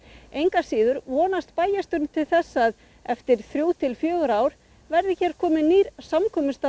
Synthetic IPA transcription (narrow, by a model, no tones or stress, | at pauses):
ejŋkasiːðʏɾvɔːnast̪paːjast̪ʏɾnt̪ʰɪlθɛsːað | ɛft̪ɪɾ̥θɾjuːwt̪ʰɪlfjœːɣʏɾaːwɾ̥ | vɛɾðɪçɛɾkʰɔːmɪniːɾsamkʰɔːmʏst̪a